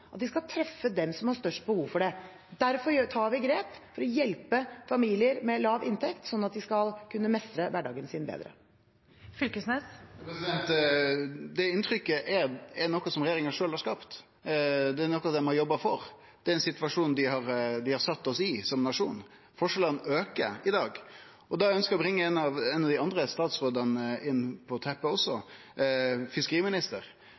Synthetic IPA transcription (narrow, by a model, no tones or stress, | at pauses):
ʔɑt̪d̪ɪskɑlt̪ʰɾɛfːəd̪ɛmsɔmhɑʂt̪œʂʈ̚bəhuːʋfɔɖɛ | d̪æɾfɔɾjt̪ʰɑːʋɪɡɾeːpfɔɾɔjɛlpəfɑmiːlɪəɾmɛlɑːʋʔɪnt̪ʰɛkt̪sɔnːɑt̪̚d̪ɪskɑlkʰʉnːəmɛst̪ɾəʋæɖɑ̰ːɡənsɪːnbḛːd̪ɾə̰ | fʏlkəsnɛspɾɛsɪd̪ɛnt̪ | d̪ɛɪnt̪ʰɾʏkːəʔɛɾɛɾnɔkːɔsɔmɾɛɪjeːɾɪŋɑʂøːlhɑɾʂkɑːpt̪ | d̪ɛːnɔkːɑd̪ɛmɔjɔbːɑfɔɾ | d̪̥ɛɾɛnsɪt̪ʋɑʂuːnd̪ɪhɑɾd̪ɪhɑɾsɑt̪ːɔsɪsɔmnɑʂuːn | fɔʂɛlənøːkə̰ɪd̪ɑːɡ | ɔd̪ɑæœnskəɾɔbɾɪŋːəɛnːɑʋɛnːɑʋd̪ɪɑnd̪ɾəst̪ɑːt̪sɾoːd̪ənəɪnːpʰɔt̪ʰɛpːəɔsːɔ | fɪskəɾiːmɪnɪst̪əɾ